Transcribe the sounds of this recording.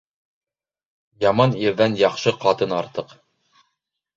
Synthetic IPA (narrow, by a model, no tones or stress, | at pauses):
jɑmɑniɾðænjɑqʃɤqɑt̪ɤnɑɾt̪ɤq